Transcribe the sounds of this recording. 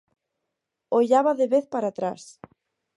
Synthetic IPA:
oʎaβaðeβeθpaɾat̪ɾas

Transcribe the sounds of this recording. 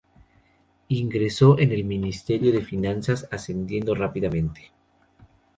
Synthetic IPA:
iŋɡɾe̞so̞ʔene̞lmĩnist̪e̞ɾjoðe̞finãnsasasend̪je̞nd̪orapiðamẽ̞nt̪e̥

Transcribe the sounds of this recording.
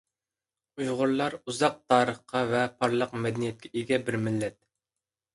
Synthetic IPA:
ujʁʊɾlˠɑɾuzɑq̚t̪ʰɑːɾəχqɑvɛpʰɑɾlˠəqmɛd̪ɛnijɛt̪̚kʲʰɛʔiɡʲɛbɪɾmɪlːɛt̪̚

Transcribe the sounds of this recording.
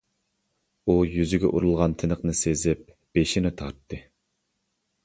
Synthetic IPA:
ujyzɪɡʲɛ̰ʔuɾulˠʁɑnt̪ʰɪnəqnɨsezɪp̚ | b̥eʃinɪt̪ʰɑɾt̪ʰːɨ

